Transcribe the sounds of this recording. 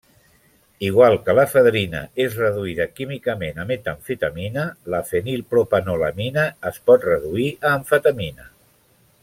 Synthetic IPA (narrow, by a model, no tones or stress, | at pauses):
iɣwalˠkələfəðɾinə̰ezrəðuiðəkimikəmenəmet̪əɱfit̪aminələfənilˠpɾopanoləminəːspɔt̪rəðuiəːɱfət̪əminə